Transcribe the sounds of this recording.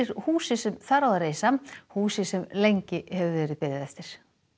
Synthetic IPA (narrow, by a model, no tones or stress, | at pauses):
ɪɾ̥huːsɪsɛmθaɾawðaɾeːjsahuːsɪsɛmlejɲcɪhɛvʏvɛːɾɪðpɪðɪðɛft̪ɪɾ̥